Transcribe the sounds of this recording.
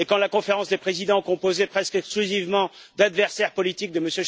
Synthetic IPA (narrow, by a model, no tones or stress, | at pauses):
ekɑ̃lakɔ̃feʁɑ̃sd̪epχezid̪ɑ̃kɔ̃pozepχɛskɛksklyzivmɑ̃ | d̪ad̪vɛʁsɛʁpɔlit̪ik̚d̪əməsjø